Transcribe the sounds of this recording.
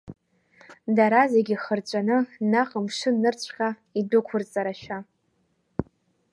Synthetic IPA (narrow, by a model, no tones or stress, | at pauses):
daɾazeɡʲiχərt͡ɕʷʼanɨnaqʼəmʂɨnɨrt͡ɕʷʰqʲʼa | idʊkʷʰʊrt͡sʼaɾaʃᶣa